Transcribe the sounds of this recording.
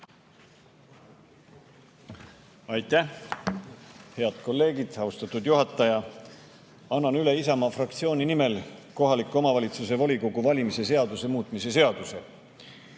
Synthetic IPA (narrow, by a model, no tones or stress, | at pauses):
ɑjt̪ːˑæh | he̞ɑd̪̥̚ko̞lːe̞ːɡid̪̥ɑust̪ɑt̪ud̪juɦɑt̪ːˑɑjɑ | ɑnːɑnyle̞isɑmɑfrɑkt̪sio̞ːnʲinime̞lko̞ɦɑlikːˑo̞mɑvɑlʲit̪sus̬e̞vɑlʲiko̞ɡ̥uvɑlʲimise̞s̬e̞ɑd̪̥use̞muːt̪ːˑmise̞s̬e̞ɑd̪̥use̞